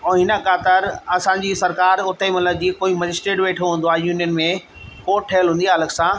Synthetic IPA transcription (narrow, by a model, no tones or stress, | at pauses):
ɦɪnəkaːt̪əɾɐsãɲd͡ʑisɐɾkaːɾʊt̪əmɐt̪ləb̚d͡ʑiːkoːimɐd͡ʑɪsʈɾeːʈʋeːʈʰoɦũːn̆d̪oaːɦejuːnijənmẽ | koːʈʰːɐjəlɦũːnd̪iaːləksãː